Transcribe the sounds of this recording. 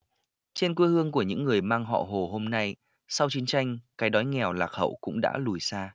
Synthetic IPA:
t͡ɕe˧nkwi˧hɨ˧əŋku˧˩əɲɨ̰˧˥ŋːɨ˨˩əjmaː˧ŋɦɔ̰˧˨ɦo˨˩ɦo˧mna˧j | sa˧wt͡ɕi˨˦ənt͡ɕa˧jŋ̟kaː˨˦jɗɔ˨˦jŋɛ˨˩wlaː˨˩k̚hə̰˧˨wkʊ̰˧˥ŋ͡mɗa̰ː˧˥lu˨˩jsaː˧

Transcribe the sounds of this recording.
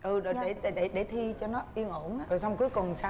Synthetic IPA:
ʔɨ˨˩ɗɗe˧˩ɗe˨˩ɗe˧˩ɗe˧˩t̪ʰi˧t͡ɕɔ˧nɔ˨˦ʔi˧ənʔo˧˩nʔaː˧˦o˨˩jsɔ˧wŋ͡mku˨˦əjkʊ˨˩ŋ͡msa˧˦

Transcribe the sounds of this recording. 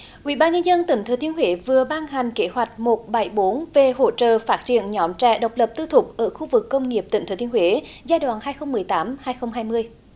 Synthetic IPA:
ʔwḭ˧˨ɓaː˧nɲə˧nzə˧nt̪ï˧˩ŋ̟t̪ʰə˨˦t̪ʰi˨˦ənhwe˨˦vɨ˨˩əɓaː˧nɦa˨˩jŋ̟ke˨˦ɦwa˨˩jk̟̚mo˨˩t̚ɓa˨˧˩jɓo˨˦nve˨˩ho̰˧˥t͡ɕə̰ː˧˨faː˦˥t̚t͡ɕḭ˧˨ənɲɔ˨˦mt͡ɕɛ̰˧˩ɗə˨˩wk͡p̚lə˨˩p̚t̪ɨ˧t̪ʰʊ˨˩k͡p̚ʔəː˧˩xu˧vɨ˨˩kːə˧wŋ͡mŋi˨˩əp̚t̪ï˧˩ŋʰə˨˦t̪i˨ənhwe˨˦ | zaː˧jɗwa̰ː˧˨nhaː˧jxə˧wŋ͡mmɨ˨˩əjt̪aː˨˦mhaː˧jxə˧wŋ͡mɦaː˧jmɨ˧əj

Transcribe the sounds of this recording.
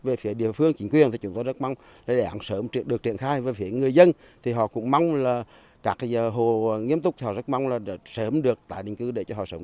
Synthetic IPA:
ve˨˩fi˨˦əɗḭ˧˨əfɨ˧əŋt͡ɕï˨˦ŋ̟kwi˨˩ənt̪ʰi˨˩t͡ɕʊ˨˦ŋ͡mt̪o˧jzə˦˥t̚ma˧wŋ͡m | laː˨˩ɗe˨˦˩ɗa̰˨˧˦nsəː˨˦mi˧ənɗək̚t͡ɕḭ˧˨ənxaː˧jve˨˩fi˨˦əŋɨ˨˩əjzə˧n | t̪ʰi˨˩ɦɔ̰˧˨kʊ̰˧˥ŋ͡mma˧wŋ͡mlaː˨˩ | kaː˦˥ka˨˦zəː˨˩ɦo˨˩˨ŋi˧əmt̪ʊ˦˥k͡p̚t̪ʰi˨hɔ̰˧˨˩zə˦˥t̚ma˧wŋ͡mlaː˨˩˨səː˨˦mɗɨ˨˩ək̚t̪a̰ː˧˨jɗï˨ŋ̟kɨ˧ɗe˧˩t͡ɕɔ˧ɦɔ̰˧˨˩səː˨˦m

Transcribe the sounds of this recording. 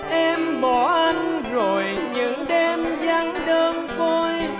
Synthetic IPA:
ʔɛ˧mɓɔ˧˩˦ʔa˧jŋ̟zo˨˩jɲɨ̰˧˥ŋɗɛ˧mza˧ŋɗəː˧nt̪o˧j

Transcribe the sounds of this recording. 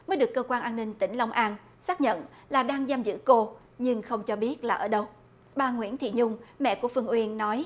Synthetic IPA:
məː˨˦jɗɨ˨˩əkːəː˧kwaː˧nʔaː˧nːï˧ŋ̟t̪ï˧˩ŋ̟la˧wŋ͡mʔaː˧n | saː˦˥k̚ɲə̰˧˨n | laː˨˩ɗaː˧ŋzaː˧mzɨ̰˧˥ko˧ | ɲɨ˧ŋxə˧wŋ͡mt͡ɕɔ˧ɓi˦˥ət̚laː˨˩ʔəː˧˩ɗə˧w | ɓaː˨˩ŋwḭ˧˥ənt̪ʰḭ˧˨ɲʊ˧ŋ͡mmɛ̰˧˨ku˧˩əfɨ˧əŋʔwi˧ənːɔ˨˦j

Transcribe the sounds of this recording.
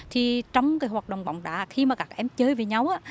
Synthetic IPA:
t̪ʰi˨˩t͡ɕɔ˧wŋ͡mkaː˨˦jɦwaː˨˩t̚ɗo̰˧˨wŋ͡mɓɔ̰˧˨wŋ͡mɗa̰ː˧˨xi˧maː˨˩aː˨˩k̚ʔɛ˧mt͡ɕəː˨˦jve˨˩ɲa˧wʔaː˧˦

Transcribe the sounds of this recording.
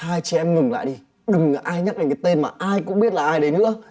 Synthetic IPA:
aː˧jt͡ɕɛ˨˧˩ʔɛ˧mŋɨ˨˩ŋla̰ː˧˨jɗi˧ | ɗɨ˨˩ŋː˨˩ʔaː˧jɲa˦˥aː˨˩ŋkːaː˨˦t̪e˧nmaː˨˩ʔaː˧jkʊ̰˧˥ŋ͡mɓi˦˥ət̚laː˨˩ʔaː˧jɗə˨˦nɨ̰˧˥ə

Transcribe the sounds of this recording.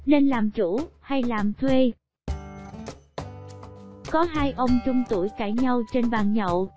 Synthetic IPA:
ne˧nlaː˨˩mt͡ɕu˧˩ha˧jlaː˨˩mt̪ʰwe˧ | kɔ˨˦ɦaː˧jʔə˧wŋ͡mt͡ɕʊ˧wŋ͡mt̪u˧˩jka̰ː˧˩jɲa˧wt͡ɕe˧nɓaː˨˩nɲə̰˧˨w

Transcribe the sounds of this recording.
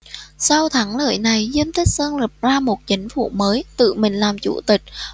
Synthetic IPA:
sa˧wt̪ʰa˨˦ŋlə̰ː˧˨jna˨˩jzi˧əmt̪ʰï˦˥k̚səː˧nli˨˩p̚zaː˧mo˨˩t̚t͡ɕï˨˦ŋ̟fṵ˧˨məː˨˦jt̪ɨ̰˧˨mï˨˩ŋ̟laː˨˩mt͡ɕṵ˧˩t̪ï˨˩k̟̚

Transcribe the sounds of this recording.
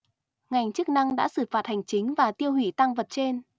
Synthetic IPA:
ŋa˨˩jŋ̟t͡ɕɨ˦˥k̚na˧ŋɗa̰ː˧˥sɨ˧˩faː˨˩t̚ha˨˩jŋ̟t͡ɕï˨˦ŋ̟vaː˨˩t̪i˧əwhḭ˧˨t̪a˧ŋvə˨˩t̚t͡ɕe˧n

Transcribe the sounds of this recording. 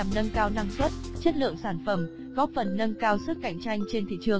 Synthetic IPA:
mnə˧nkaː˧wna˧ŋswə˦˥t̚t͡ɕə˦˥t̚lɨ̰˧˨əŋsaː˧˩nfə˧˩m | ɣɔ˦˥p̚fə˨˩nːə˧nkaː˧wsɨ˦˥k̚kːa˧˩jŋ̟t͡ɕa˧jŋ̟t͡ɕe˧nt̪ʰḭ˧˨t͡ɕɨ˨˩əŋ

